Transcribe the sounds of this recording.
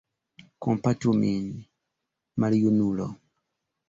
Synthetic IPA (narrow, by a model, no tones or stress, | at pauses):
kɔmpatumiɲi | malijunulɔ̰